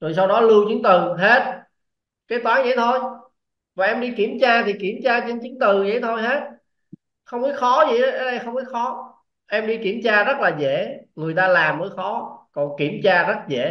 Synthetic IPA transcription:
zo˨˩jsa˧wɗɔ˨˦lu˧wt͡ɕɨ˨˦ŋt̪ɨ˨˩ɦe˦˥t̚ | kaː˨˦jt̪waː˨˦ŋzə̰˧˩jt̪ʰo˧j | vaː˨˩ʔɛ˧mɗi˧ki˧˩əmt͡ɕaː˧t̪ʰi˨˩ki˧˩əmt͡ɕaː˧t͡ɕe˧nt͡ɕɨ˨˦ŋt̪ɨ˨˩zə̰˧˩jt̪ʰo˧jɦe˦˥t̚ | xə˧wŋ͡mkɔ˨˦jxɔ˨˦zḭ˨ʔə˨˦jʔə˨˦ɗə˧jxə˧wŋ͡mki˨˦˥xɔ˨˦ | ʔɛ˧mɗi˧ki˧˩əmt͡ɕaː˧zə˦˥t̚laː˨˩zḛ˧˥˨ŋɨ˨˩əjt̪aː˧laː˨˩mːəː˨˦jxɔ˨˦kɔ˨˩nki˧˩əmt͡ɕaː˧zə˦˥t̚zḛ˧˨

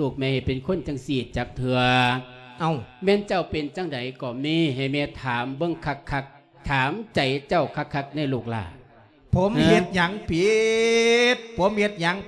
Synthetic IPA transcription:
luː˧˩k̚mɛː˧˥ha˨˩jpe˨nkʰo˧˥˨nt͡ɕa˧˨ŋsiː˧˩t̪̚t͡ɕaː˨˧˩k̚t̪ʰɯ˧ɐʔa˧˩wmɛː˧˥˨nt͡ɕa˧˩wpe˨nt͡ɕa˧˩˨ŋda˨˦jkɔː˧˩miː˧˩˨ɦa˨˩jmɛː˧˩t̪ʰaː˨˦mbɤ˧˨ŋkʰa˧˩kʰːa˧˩k̚ | t̪ʰaː˨˦mt͡ɕa˨˦jt͡ɕa˧˩wkʰa˧˥kʰːa˧˥k̚na˧˥˩jluː˧˨˩k̚la̰ː˧˩ | pʰo˨˦mːhe˧˦t̪̚ɲa˨˦ŋpʰi˨˧˦ | t̪̚pʰo˨˦mhe˧t̪̚ɲa˨˦ŋ

